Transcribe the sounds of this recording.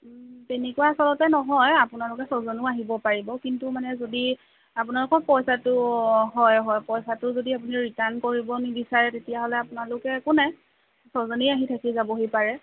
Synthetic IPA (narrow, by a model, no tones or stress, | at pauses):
tenɛkuwaːsɔlɔtɛnɔɦɔjapʊnalʊkɛsozɔnʊaɦibɔpaɹibɔkintumanɛzodi | apʊnalʊkɔɹpɔjsatʊɦɔjɦɔjpɔjsatʊzodiapuniɹitankoɹibɔnibisaɹɛtetijaɦɔlɛapʊnalʊkɛkʊnɛ | sozɔnejaɦitʰakizabɔɦojpaɹɛ